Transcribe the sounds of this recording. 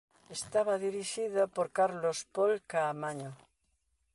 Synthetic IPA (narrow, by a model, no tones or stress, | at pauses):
est̪aβaðiɾiʃiðopoɾkaɾlospolkaːmaɲo